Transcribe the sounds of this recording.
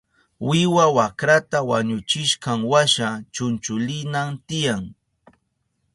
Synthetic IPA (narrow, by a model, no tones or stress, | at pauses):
wɪwawakɾat̪awaɲʊt͡ʃɪʃqɑŋwaʃat͡ʃʊnt͡ʃʊlɪnamt̪ɪjaŋ